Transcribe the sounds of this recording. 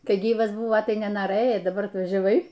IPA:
ˈkɐɪ ˈɡʲiːʋɐs ˈbʊʋoː tɐɪ nʲɛnoːˈrɘjɛɪ dɐˈbɐr ɐtʋɐʒʲɛˈʋɐɪ

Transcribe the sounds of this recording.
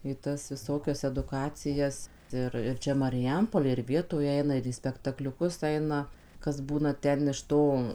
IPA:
iː ˈtɐs ʋʲɪˈsoːkʲɛs ɛdʊˈkɑːt͡sʲɪjɛs ˈɪr ɪr ˈt͡ʃʲɛ mɐrʲɪˈjɛmpoːlʲeːj ɪr ˈʋʲiɛtoːj ˈɛɪnɐ ɪr iː sʲpʲɛktɐklʲʊˈkʊs ˈɐɪnɐ kɐs ˈbuːnɐ ˈtʲɛn ɪʃ ˈtoː

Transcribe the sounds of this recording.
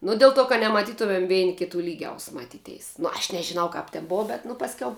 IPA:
ˈnʊ dʲɪlˠ ˈtoː kɐ nʲɛmɐˈtʲiːtʊmʲɛm ˈʋʲɛɪnʲɪ kʲɪˈtuː ˈlʲiːɡʲɛʊs mɐˈtʲiːˌtʲɛɪs nʊ ɐʃ nʲɛʒʲɪˈnɐʊ kɐp tʲɛn ˈboːɐ ˈbʲɛt nʊ pɐsʲˈkʲɛʊ

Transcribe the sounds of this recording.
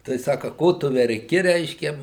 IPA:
tɐɪ ˈsɑːkɐ ˈkoː tʊ ʋʲɛrʲˈkʲɪ ˈrʲɛɪʃʲkʲɛ

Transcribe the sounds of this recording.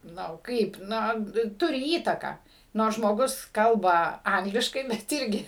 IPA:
ˈnʊ ˈkɐɪp ˈnoː ˈtʊrʲɪ ˈiːtɐkɑː ˈnoːrs ʒmoːˈɡʊs ˈkɐlˠbɐ ˈɐŋɡlʲɪʃkɐɪ bʲɛt ˈɪrʲɡʲɪ

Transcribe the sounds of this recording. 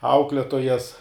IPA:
ˈɐʊklʲɛtoːjɛs

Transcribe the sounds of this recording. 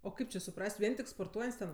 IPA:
oː ˈkɐɪp t͡ʃʲɪ sʊˈprɐsʲtʲ ˈʋʲiɛn tʲɪk spoːrˈtuɔjɛnʲtʲsʲ tʲɛn

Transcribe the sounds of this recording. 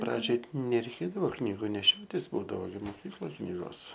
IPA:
ˈprɑːd͡ʒʲoːj nʲɛrʲɛɪˈkʲeːdɐʋoː ˈknʲiːɡʊ nʲɛˈʃʲoːtʲɪs ˈbuːdɐʋoː moːˈkʲiːklˠoːj ˈknʲiːɡoːs

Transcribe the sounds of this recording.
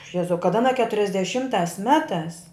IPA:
ˈjæːzɐʊ kɐt ɐˈnɐ kʲɛtʊrʲɛzʲdʲɛˈʃʲɪmtɑːs ˈmʲæːtɑːs

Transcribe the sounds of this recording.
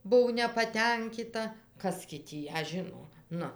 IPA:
ˈbʊw nʲɛpɐˈtʲɛŋʲkʲɪtɐ ˈkɐs ɡʲɪ tʲiː ˈjæː ˈʒʲɪnoː ˈnʊ

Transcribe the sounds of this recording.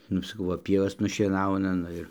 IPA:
ˈnʊ sɐˈkɐʊ ˈʋɐ ˈpʲiɛʋɐs nʊʃʲiɛˈnɐʊnɐ ˈnʊ ɪr

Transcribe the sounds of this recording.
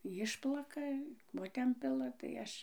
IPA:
ˈjɪʃplˠɐkɐ ˈkoː tʲɛn ˈpʲɪlˠɐ tɐɪ ˈɐʃ

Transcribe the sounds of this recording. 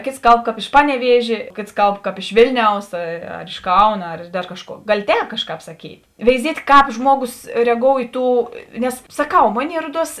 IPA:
ˈkʲeːts ˈkɐlˠp ˈkɑːp ɪʃ ˈpɑːnʲɛˌʋʲiɛʒʲeː ˈkʲeːts ˈkɐlˠpˈkɑːp ɪʃ ˈʋʲeːlʲnʲɛʊs ɐ ɐr ɪʃ ˈkɐʊnɐ ɐr dɐr ˈkɑːʃˌkuɔ ˈɡɑːlʲɪ ˈtʲɛːp ˈkɑːʃˌkɑːp sɐˈkʲiːtʲ ʋʲɛɪˈzʲiɛtʲ ˈkɑːp ˈʒmuɔˌɡʊs rʲɛˈɡoːʊ ɪ ˈtuː ˈnʲɛs sɐˈkɐʊ ˈmoːˌnʲeːɪ ˈruɔˌduɔs

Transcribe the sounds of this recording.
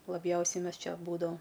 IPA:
lˠɐˈbʲjɛʊsʲɛɪ ˈmʲɛs ˈt͡ʃʲɛ ˈbuːdɐʋɐm

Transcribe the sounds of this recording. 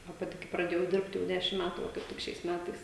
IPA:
ɐ ˈpɑːtʲɪ kɐɪ prɐˈdʲeːjɛʊ ˈdʲɪrpt jɛʊ ˈdʲæːʃʲɪm ˈmʲætʊ ʋɐ kɐɪp ˈtʲɪk ʃʲɛɪs ˈmʲætɐɪs

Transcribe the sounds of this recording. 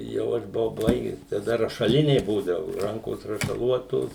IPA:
jɛʊ ˈɐʃ bʊˈʋɐʊ ˈbɐɪɡʲɛs tɐˈdɐ rɐʃɐˈlʲɪnʲɛɪ ˈbuːdɐʋʊ ˈrɐŋkoːs rɐʃɐˈlˠuɔtoːs

